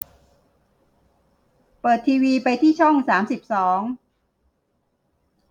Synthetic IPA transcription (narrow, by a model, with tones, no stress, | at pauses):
pɤː˨˩t̪ʰːiː˧wiː˧pa˧jt̪ʰiː˥˩t͡ɕʰɔ˥˩ŋsaː˩˦msi˨˩p̚sɔː˩˦ŋ